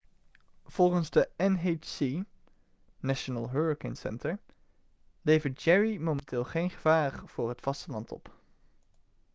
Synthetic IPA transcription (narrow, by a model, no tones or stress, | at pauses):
v̥ɔlˠχənzdəɛnɦet͡ʃsi | naʃənəlˠɦøɹəkɪŋsɛ̰ntəɹ | lejvəɹt̚d͡ʒɛɹimowmɛntɪːlˠχejnχəv̥aːɹv̥ʊːɹɦətfɑstəlɑntɔ̰p